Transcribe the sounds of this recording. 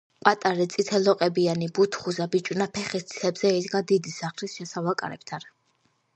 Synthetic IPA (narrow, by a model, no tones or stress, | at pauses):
pʼat̪ʼaɾit̪sʼit̪ʰɛlɔqʼɛbianibut̪ʰχuzabit͡ʃʼwnapʰɛχist̪ʰʼi̥ɛbz̥ɛid̪ɡad̪id̪isaχlisʃɛsavakʼa̰ɾɛ̰pt̪ʰan